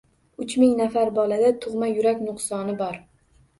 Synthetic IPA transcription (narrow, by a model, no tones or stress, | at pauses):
ʊt͡ʃmɪŋnafaɾbɒlad̪at̪ʰʊʁmajʊɾakʲnʊqsɒnɪbɒɾ